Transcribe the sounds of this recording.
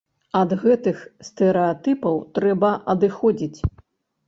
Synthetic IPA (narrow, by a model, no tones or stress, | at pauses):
ɐd̪ɣɛt̪ɨxst̪ɛɾɛat̪ɨpɐwt̪ɾɛbɐʔɐd̪ɨxɔd͡zʲit͡sʲ